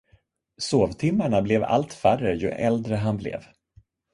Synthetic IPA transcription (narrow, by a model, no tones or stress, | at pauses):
soːvt̪ʰɪmːaɳablɛva̰lt̪færəjɵ̰ʔɛ̰ld̪ɾəɦanblɛ̰v